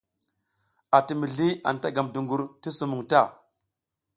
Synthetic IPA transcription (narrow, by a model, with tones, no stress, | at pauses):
a˨ti˨mi˨ɮi˦a̰˨n˨ta˦ɡa˨mdu˨ŋɡu˨ɾti˦su˨mu˨ŋta˦˨